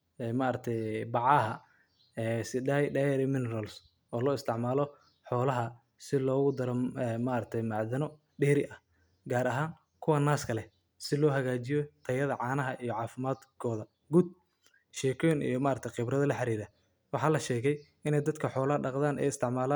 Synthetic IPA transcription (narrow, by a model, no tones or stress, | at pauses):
ɛːmaːɾɐk̚t̪ʰɛjbɑʕɑːɦɐ | ɛːsɪɖaːjɖɐjɛɾɪmɪnɛɾɐls | ɔːlɔːɪst̪ʰɪʕmaːlɔ | ħɔːlɐɦɐ | sɪlɔːɣʊd̪ɐɾɔɛmaɾɐk̚t̪ʰɛjmɑʕðɐnɔ | ɖɛːɾɪʔɐ | ɡaːɾɐɦaːŋ | kʰʊwɐnaːskʰɐlɛ | sɪlɔːɦɐɣaːt͡ʃɪjɔt̪ʰɐjɐðɐʕɑːnɐɦɐʔijɔʕɑːfɪmaːd̪kʰɔːðɐ | ɡud̪̚ | ʃɛːkʰɔjnʔḭjɔmaːɾɐkt̪ʰɛjqɪbrɐðɐlɐħɑɾiːɾɐ | wɑħɑːlɐʃɛːɣɛj | ɪnɛjd̪ɐd̪kʰɐħɔːlɐhɐɖɑqðaːnʔɛ̰jɪst̪ʰɪʕmaːlaː